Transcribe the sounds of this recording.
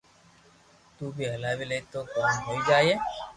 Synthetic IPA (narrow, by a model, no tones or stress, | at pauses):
t̪uːbʱiːɦəlaːʋiːləiːt̪oːkəːmɦoːiːd͡ʒaːeː